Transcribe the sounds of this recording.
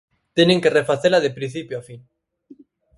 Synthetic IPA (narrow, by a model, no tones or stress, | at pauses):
t̪eneŋkerefaθelaðepɾĩn̟θipjoafin